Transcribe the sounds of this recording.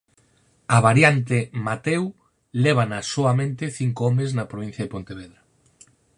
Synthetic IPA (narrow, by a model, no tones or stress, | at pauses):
ɐβaɾjant̪̬emat̪ɛw | lɛβ̞anɐsoɐmẽnt̪ɪθiŋkoɔmeznɐpɾoβin̟θjɐðepont̪eβeðɾa